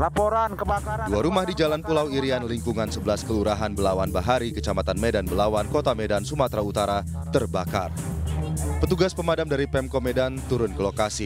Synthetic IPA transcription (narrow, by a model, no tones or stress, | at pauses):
lapoɾankəbakduaɾumahdid͡ʒalanpulawiɾianliŋkuŋansəbəlaskəluɾaɦanbəlawanbaɦaɾikə̥t͡ʃamat̪anmedanbəlawankot̪amedansumat̪ɾaut̪aɾa | t̪ərbaka̰r | pət̪uɡaspəmadamdaɾipɛmkomɛdant̪uɾʊnkəlokasi